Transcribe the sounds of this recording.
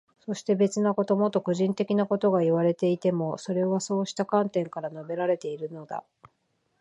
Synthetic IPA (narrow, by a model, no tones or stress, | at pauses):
so̞ɕi̥t̪e̞be̞t͡sɨnako̞t̪o̞mot̪ːokɯ̟ʑĩnt̪e̞kʲinako̞t̪o̞ɡaiβaɾe̞t̪e̞it̪e̞mo̞so̞ɾe̞βaso̞ːɕi̥t̪akãnt̪ẽ̞ŋkaɾano̞be̞ɾaɾe̞t̪e̞iɾɯ̟no̞d̪a̰